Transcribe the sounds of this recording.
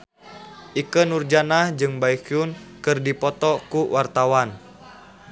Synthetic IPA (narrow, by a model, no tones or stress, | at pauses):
ʔikənurd͡ʒanahd͡ʒɨŋbaikjunkɨrdipɔt̪ɔkuwʔart̪awan